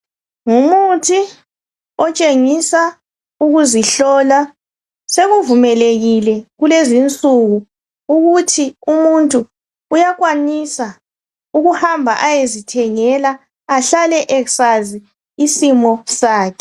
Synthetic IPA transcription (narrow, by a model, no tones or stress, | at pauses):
ŋumutʰi | ɔt͡ʃʼeŋisa | uɣuziɬɔla | seɣuvumɛleɣilɛɣulezint͡sʼuɣu | uɣutʰiumuntʼuː | jaɣwanisa | uɣuhambʱaʔajezitʰɛŋɛlaː | ɬalɛʔɛksaziː | simɔsaːkʰɛ